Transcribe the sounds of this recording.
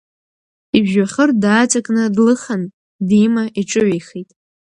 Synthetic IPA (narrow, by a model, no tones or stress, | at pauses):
ibʒaχərdaːt͡sʰʼakʼnɨdlɨχan | dimaʔiʈ͡ʂʼɨʕejχijtʼ